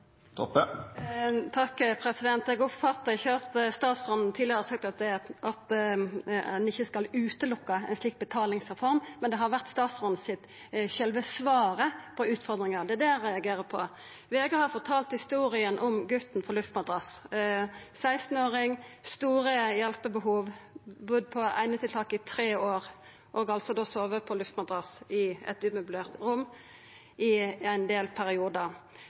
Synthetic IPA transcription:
t̪ʰɔp | t̪ʰɑkːpʰɾɛsɪd̪ɛnt̪ɛɡɔpfɑt̪ːəɪçːət̪əst̪ɑːt̪sʁɔnn̩t̪ʰiːd̪ɪəɾʁəsɑk̚t̪ɑt̪̚d̪ɛɑt̪ | ɛnɪçːəskɑlʉːt̪əlʊkːɑɛ̰nsliːk̚t̪̚bət̪ʰɑːlɪŋsʁɛfɔɾmmːɛnd̪ɛɦɑɾʋæʁt̪st̪ɑːt̪sʁɔn̩sɪt̪ | çɛlʋəsʋɑːɾəpʰɔʉːt̪fɔɾd̪ɾɪŋəʁd̪ɛæd̪ɛæʁɛɑɡeːɾəpʰɔ̰ | ʋeːɡəhɑɾfɔʁt̪ʰɑːlt̪hɪst̪uːɾɪənʔɔmɡʉt̪n̩pʰɔlʉft̪mɑd̪ʁɑs | sæɪst̪n̩oːɾɪŋst̪uːɾəjɛlpəbəɦuːʋbʊd̪̚pʰɔæ̰ɪnət̪ʰɪlt̪ɑːkːɪt̪ʰɾeːoːɾ | ʔɔɡɑlt̪sɔd̪oːsoːʋəpʰɔlʉft̪mɑd̪ɾɑsɪɛ̰t̪ʉːmʉbʉleːʁt̪ɾʊmː | ʔɪæɪnd̪eːlpʰæɾɪuːd̪ə

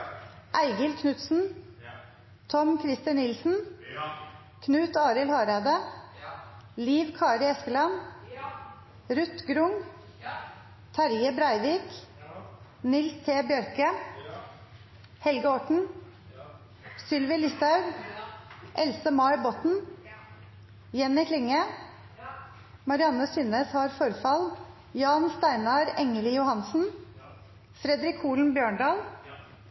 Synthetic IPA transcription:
ʔæɪɡɪlkʰnʉt̪sn̩ | t̪ʰɔmkʰɾɪst̪ɪnnɪlsn̩ | kʰnʉːt̪ɑːɾɪlhɑːɾɑːd̪ə | liːʋkʰɑːɾɪɛskəlɑn | ɾʉt̪ɡɾʊŋ | t̪ʰɑɾjəbɾɑɪʋiːk | nɪlst̪ʰeːbjœɾkə | hɛlɡəɔʈɳ̩ | sʏlʋɪlɪst̪ɑʉɡ | ʔɛlsəmɑɪbɔt̪n̩ | jɛnɪkʰlɪŋə | mɑɾɪɑnəsʏneːshɑːɾfɔɾfɑl | jɑːnst̪æɪnɑɾɛŋəljʊhɑnsn̩ | fɾɛd̪ɾɪkʰːuːln̩bjøːɳɖɑːl

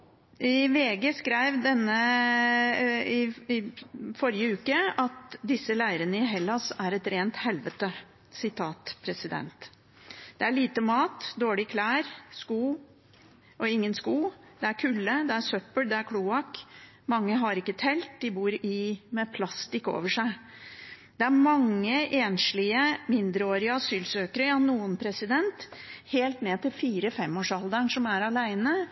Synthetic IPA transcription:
ʔɪʋeːɡəskɾæɪʋd̪ɛnːə | ɪɪfɔɾɪəʉːkəɑt̪d̪ɪsːəlæɪɾənəɪɦɛlːɑsæɾɛt̪ɾeːnt̪hɛlʋət̪ə | sɪt̪ʰɑːt̪pʰɾɛsɪd̪ɛ̰nt̪ | d̪̥ɛæɭiːt̪əmɑːt̪d̪oːɭɪkʰlæːɾskuː | ʔɔɪŋːənskuːd̪̥ɛæɾkʰʉːlːəd̪ɛæsœpːəld̪ɛæɾkʰɽuːɑk | mɑŋːəɦɑɾɪkːət̪ʰɛlt̪̚d̪ɪbuːɾɪmɛpʰlɑst̪ɪko̰ːʋəʂæɪ | d̪̥ɛæɾmɑŋːəʔeːnʂlɪəmɪnd̪ɾəoːɾɪəɑsyːlsøːkəɾəɑnːuːənpʰɾɛsɪd̪ɛnt̪heːlt̪neːt̪ɪlfiːɾəfɛmːoːʂɑld̪əɳʂɔmæɾɑlæɪnə

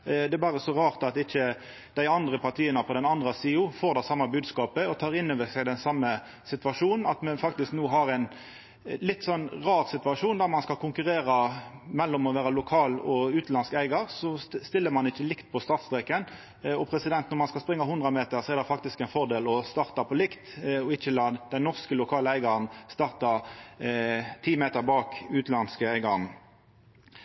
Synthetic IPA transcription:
d̪ɛɛbɑːʁəsɔʁɑːʁt̪ɑt̪ɪçːə | d̪̥æɪɑnd̪ʁəpʰɑʁt̪ʰiːənəpʰɔd̪ɛnɑnd̪ʁɑsiːʊfoːʁd̪ɛsɑmːɑbʉːd̪skɑːpəɔt̪ʰɑːʁɪnːøːʋəsæɪd̪ɛnsɑmːə | sɪt̪ʋɑʂuːnn̩ɑt̪mɛnfɑk̚t̪ɪsknoːɦɑʁæɪn | lɪt̪ːsɔnʁɑːʁsɪt̪ʋɑʂuːnd̪æmɑnskɑkʰʊŋkʉʁeːʁɑmɛlːɔmɔʋæːʁɑlʊkʰɑːlɔʉːt̪lɑnskæɪɡɑʁsɔst̪ɪlːəmɑnɪçːəlɪkt̪̚pʰɔst̪ɑːt̪st̪ʁɛkən | ɔpʰʁɛsɪd̪ɛnt̪nɔʁmɑnskɑspʁɪŋːɑhʊnd̪ʁəmeːt̪əʁsɔɛʁd̪ɛfɑk̚t̪ɪskɛɪnfɔʁd̪eːlɔst̪ɑːʁt̪ɑpʰɔlɪkt̪ɔɪçəlɑːd̪ɛnɔʁskəlʊkʰɑːləæɪɡɑʁnst̪ɑːʁt̪ɑ | t̪ʰiːmeːt̪əʁbɑːkʉːt̪lɑnskəæɪɡɑʁn

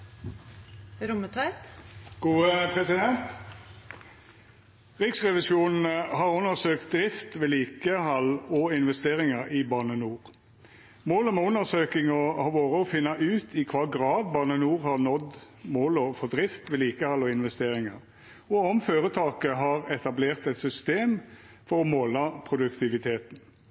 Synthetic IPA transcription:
ɾʊmət̪ʰʋæɪt̪ɡ̥uːəpʰʁɛsɪd̪ɛnt̪ | ʁɪksʁɛʋɪsjuːnn̩hɑʁʉnːəsøːkt̪̚d̪ɾɪft̪ʋɛːliːkəhɑlɔɪnʋɛst̪eːʁɪŋəɾibɑʁnənuːʁ | moːləmɛʉnːəʁsøːkɪŋɔɑʋoːʁəɔfɪnːɑʔʉːt̪ʰɪkʰʋɑːɡʁɑːd̪bɑʁnənuːʁhɑʁnɔd̪ | moːlɔfɔd̪ʁɪft̪ʋɛliːkəhɑlːɔɪnʋɛst̪eːʁɪŋəʁ | ɔɔmføːʁət̪ʰɑːkəɦɑʁɛt̪ɑbleːʁt̪ɛt̪sʏst̪eːm | fɔɾɔmoːlɑpʰʁʊd̪ʉkt̪ɪʋɪt̪ʰeːt̪n

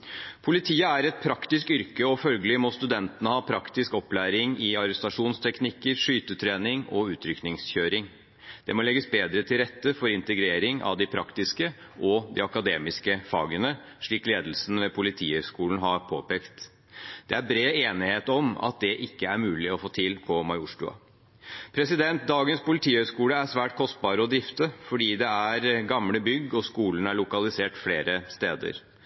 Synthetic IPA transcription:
pʰʊlɪt̪ʰiːəæɾɛt̪̚pʰɾɑkt̪ɪskʏɾkəɔfœlɡəlɪmɔst̪ʉd̪ɛnt̪ənəhɑːpʰɾɑkt̪ɪskɔplæːɾɪŋɪɑɾɛst̪ɑʂuːnst̪ʰɛknɪkːəɾʂyːt̪ət̪ʰɾeːnɪŋɔʉːt̪ʰɾʏknɪŋsçøːɾɪŋ | d̪̥ɛmɔlɛɡːəsbeːd̪ɾət̪ʰɪlɾɛt̪ːəfɔɾɪnt̪əɡɾeːɾɪŋʔɑ̰ʋd̪ɪpʰɾɑkt̪ɪskə | ʔɔd̪ɪ̰ɑkɑd̪eːmɪskəfɑ̰ːɡənə | ʂɭiːkleːd̪əl̩sn̩ʋɛpʰʊlɪt̪ʰiːhœskuːln̩ɦɑɾpʰo̰ːpeːkt̪ | d̪̥ɛæɾbɾeːeːnɪheːt̪ɔmɑ̰t̪̚d̪ɛʔɪkːəæɾmʉːlɪɔfoːt̪ʰɪlpʰɔmɑɪʊʂʈʊɑ̰ | pʰɾɛsɪd̪ɛnt̪̚d̪ɑːɡənspʊlɪt̪ʰiːhœskuːləæʂʋæːʈ̚kʰɔst̪̚bɑːɾəɔd̪ɾɪft̪əfɔɖiːd̪ɛæɾɡɑmləbʏɡːɔskuːlənæɭʊkɑlɪseːʈfleːɾəst̪eːd̪ə̰ɾ

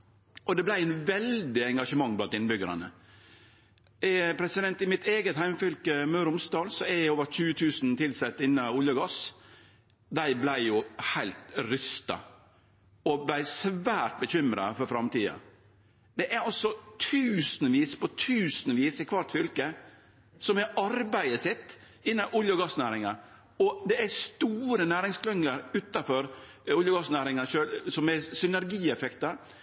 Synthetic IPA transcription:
ʔɔd̪ɛblæɪnʋɛld̪ɪɛŋɡɑʂəmɑŋːblɑnt̪ɪnːbʏɡəɾɑ̰nə̰ | pʰɾɛsɪd̪ɛnt̪ɪmɪt̪eːɡət̪hæɪmfʏlkəmœɾʊmst̪ɑːlsɔæɾjæɪoːʋəɾçʉːət̪ʰʉːsnt̪ɪlsɛt̪ːɪnːɑʊljəɡɑs | d̪æɪblæɪjʊhæɪlt̪ɾʏst̪ɑ̰ | ɔblæɪsʋæːʈ̚bəçʏmɾɑ̰fɔɾfɾɑmt̪iːɑ̰ | d̪ɛʔæɾɑsɔt̪ʰʉːsn̩ʋiːspɔt̪ʰʉːsnʋiːsɪkʰʋɑt̪fʏlkə | sɔmɛɾɑɾbæɪəsɛt̪ː | ɪnːɑʔʊljəɡɑsːnæːɾɪŋɑ | ɔd̪ɛæst̪uːɾənæːɾɪŋskʰlœŋːəɾʉːt̪ɑfɔɾ | ʊljəɡɑsnæːɾɪŋɑʂøːlsɔmɛsʏnæɾɡiːɛfɛkt̪ɑɾ

